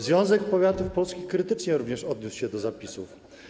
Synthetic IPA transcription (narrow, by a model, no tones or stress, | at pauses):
zvʲjɔ̃w̃zɛkpɔvʲjat̪ufpɔlskʲixkɾɘt̪ɘt͡ʂɲɛɾuvɲɛʂɔd̪̚ɲuswɕɛd̪ɔzapʲisuf